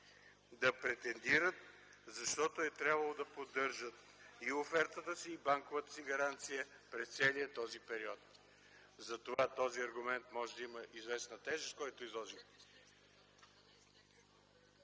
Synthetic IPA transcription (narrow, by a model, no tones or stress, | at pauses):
d̪ɐpɾɛt̪ɛnd̪iɾət̪̚ | zɐʃt̪ɔt̪oɛt̪ɾʲabvɐlˠod̪ɐpod̪ɤɾʒət̪ | iofɛɾt̪ət̪əsiːbaŋkovət̪ə̥siɡɐɾant̪sijəpɾɛst̪sɛlijət̪ɔzipɛɾiɔt̪ | zɐt̪ovat̪ɔziɐɾɡʊmɛnt̪mɔʒɛd̪ɐiməʔizvɛsnət̪ɛʒəskɔjt̪oizlˠɔʒixt̪